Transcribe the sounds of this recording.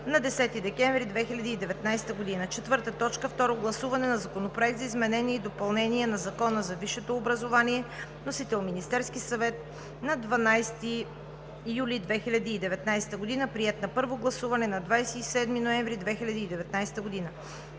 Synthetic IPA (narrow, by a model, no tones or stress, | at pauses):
nɐd̪ɛsɛt̪id̪ɛkɛ̃ɱvɾid̪vɛxilʲɐd̪iːd̪ɛvɛt̪najst̪əɡod̪inət͡ʃɛt̪vɤɾt̪ət̪ɔt͡ʃkəft̪ɔɾoɡlˠɐsuvɐnɛnɐzɐkonopɾoɛk̚t̪zizmɛnɛniɛid̪opɐlˠnɛniɛnɐzɐkɔnəzɐviʃɛt̪oːbɾəzovaniɛnosit̪ɛlˠminist̪ɛɾskisɐvɛt̪ | nɐd̪vɐnajst̪iː | julʲid̪vɛxilʲɐd̪iːd̪ɛvɛt̪najst̪əɡod̪inəpɾiɛt̪nɐpɤɾvoɡlˠɐsuvɐnɛnɐd̪vajsɛisɛd̪minoɛ̃ɱvɾid̪vɛxilʲɐd̪iːd̪ɛvɛt̪najst̪əɡod̪inə